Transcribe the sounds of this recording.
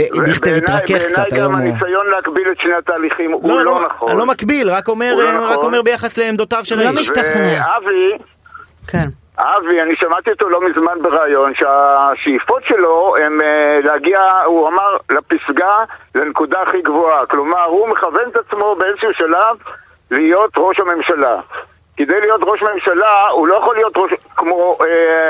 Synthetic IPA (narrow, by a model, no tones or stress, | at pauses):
evdiχb̪einʁajkeenajt̪aomanisajo̞nleakbiletʃnehat̪aːliχimulonaχoalo̞makbilʁako̞me̞ʁʁao̞me̞ʁbejaχasleːmdot̪avʃelmivnavi | ken | ʔavianiʃamat̪iot̪olo̞mizmanbeʁaːjo̞nʃeaʃefo̞tʃe̞lo̞emleaɡiauamaʁlapisɡalenekud̪aːχiɡvoaklomaʁumeχave̞net̪at͡smo̞beelʃuʃalav | lijo̞t̪ʁo̞ʃhame̞mʃala̰ | ked̪ejlijo̞t̪ʁo̞ʃme̞mʃalaulo̞jaχolijo̞t̪ʁoʃkmoe